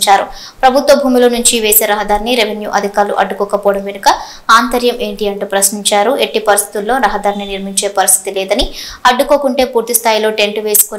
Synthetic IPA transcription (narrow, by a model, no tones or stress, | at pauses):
t͡ʃaːɾu | pɾɐbʱut̪ʋɐbʱuːmilɐnuɲt͡ʃiʋe̞ːse̞ːɾɐɦɐd̪aːɾniɾeʋʱenjṵːʔɐd̪ʱikaːɾlṵʔɐɖːukɔːkɐpɔːɽɐmʋenukɐ | aːnt̪ɐɾjɐmʔe̞ːɳʈiɐɳʈuːpɾɐsniɲt͡ʃaːɾue̞ʈːipɐɾist̪ʰi̥t̪ulːo̞ːɾɐɦɐd̪aːɾniniɾmiɲt͡ʃe̞ːpɐɾist̪ʰi̥t̪ilɛːd̪ɐniɐɖːuko̞ːkuɳʈe̞ːpuːɾt̪ist̪ʰaːjilo̞ːʈe̞ɳʈʋe̞ːsu̥kon